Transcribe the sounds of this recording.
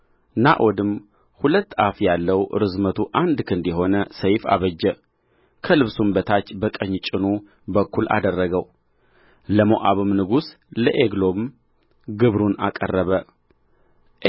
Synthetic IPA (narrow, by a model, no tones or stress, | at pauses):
naʔod̪ɨm | hulət̪ːafjalːəwɾɨzmət̪ʰuʔand̪kʰɨnd̪jɛɦo̞nəsəjfa̰βəd͡ʒːɛ | kʰəlɨβsumbət̪ʰat͡ʃːbəkʼəɲːt͡ʃʼɪnu | bəkʰːula̰d̪ərːəɡəw | ləmoʔaβɨmnɨɡus | ləʔeɡlom | ɡɨβɾunakʼərːəβə | ʔ